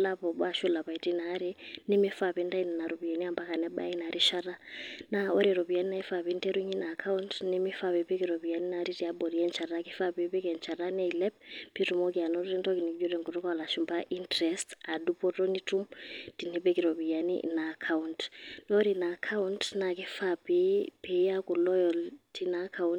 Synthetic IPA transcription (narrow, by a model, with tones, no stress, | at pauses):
la˦pɔ˨ɓa˦˨ʃu˦la˨pa˨i˨ti˦na˨˦ɾi˦nɛ˦mi˦fa˨pɛ˦nda˦ina˨na˨ɾɔ˨bi˨ja˨ni˦a˨mba˦ka˨nɛ˦ɓa̰˦i˦na˨ɾʔi˦ʃa˦ɾa˦naɔ˦ɾiɾɔ˨βi˨a˨˦ni˦na˦i˦fa˨βi˦ntɛ˦ɾu˦ɲi˦na˨kʰa˦untnɛ˦mi˦fa˨βɛ˨pe˦ki˨ɾɔ˨βi˨ja˨ni˦naɾi˦ti˨a˦ɓɔ˨ɾi˦ɛ˦nt͡ʃa˨ɾa˦ki˦fa˦pɛ˨pɛ˦kɛ˨nt͡ʃa˨ɾa˦nɛ˦i˨lɛ˦p̚ːi˦tu˨mo˦k̬i˨a˨nɔɾɾi˦ntɔ˦ki˨ni˨ki˦d͡ʒu˦ɾɛ˨ŋɡu˨tu˦ka˦˨la˨ʃu˨mba˦ʔintɾɛsta˨dupɔ˦tɔ˦ni˦tumti˨ni˦pe˦kiɾo˨pi˨ja˨nḭnakʰauntnɔ˦ɾina˨kʰa˦untna˨ki˦fapipe˨jaku˨lɔ˦jɔltinakʰawun